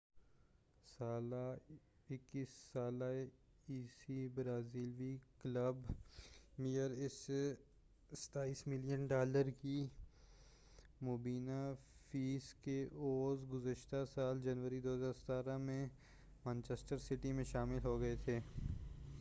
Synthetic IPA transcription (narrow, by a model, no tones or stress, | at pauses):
saːlaɪkːiːsːaːla | iːsibɾaːziːlʋikləb | mijəɾɪs | sə̥t̪aːiːsmɪlijənɖaːləɾki | moːbiːnafiːskeoːzɡʊzəʃt̪asaːld͡ʒɐnʋəɾid̪oːɦəzaːɾsɐ̥t̪aːɾamẽ | mə̃nt͡ʃesʈəɾsɪʈimẽʃaːmɪlɦoɡɐet̪ʰeː